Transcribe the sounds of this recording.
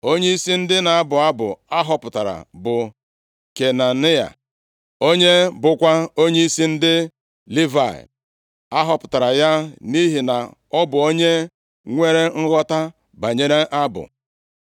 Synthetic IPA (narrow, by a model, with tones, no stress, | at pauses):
o˦ɲe˦i˦si˦n̩˦dɪ˦na˨a˦bʊ˨a˦bʊ̰˨a˦ɦɔ˨pʊ˨ta˨ɾa̰˨bʊ˨ | ke˨na˨ni˦a̰˨ | o˦ɲe˦bʊ˦kʷa˦o˦ɲe˦i˦si˦n̩˦dɪ˦ | li˦va̰˨ | a˦ɦɔ˨pʊ˨ta˨ɾa˨ja˦ni˦ɦi˨na˨ | ɔ˦bʊ˨o˦ɲe˦ | ŋʷe˦ɾe˦ŋ̩˦ɣɔ˦ta˦ | ba˨ɲe˦ɾe˦ʔa˦bʊ̰˨